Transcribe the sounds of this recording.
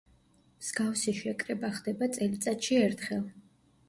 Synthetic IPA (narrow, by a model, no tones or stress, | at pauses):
mz̥ɡafsiʃɛkʼɾɛbaχd̪ɛbat̪sʼɛlit̪sʼat̪ʃiɛɾt̪ʰχɛlˠ